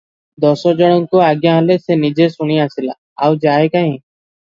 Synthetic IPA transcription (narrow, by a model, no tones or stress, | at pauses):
d̪oːsoːd͡ʒəɽõːŋkoːaːɠjãːɦəleːseːniːd͡ʒeːsʊɳiːãːsɪla̰ː | aːʋd͡ʒaːeːkaːĩː